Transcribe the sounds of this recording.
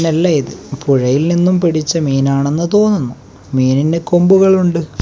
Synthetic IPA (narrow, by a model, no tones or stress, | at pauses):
nelːɐjiðɨpuɻɐjilninːumpiɽit͡ɕːɐmiːnaːɳenːɐt̪o̞ːnːɐnːu | miːnindeko̞mbuɣɐɭuɳɖɨ